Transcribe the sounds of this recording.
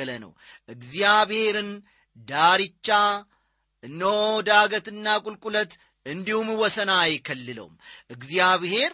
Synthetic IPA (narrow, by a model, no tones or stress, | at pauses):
lənə̰w | ʔɨɡzjaβhe̞ɾɨn | d̪aɾit͡ʃːa | ɨnːod̪aɡət̪ɨnːakʼulkʼulət̪ | ɨnd̪ihumwɔsənaːjkʰəlːɨlə̰wṵmʔɨɡzijaβhe̞ɾ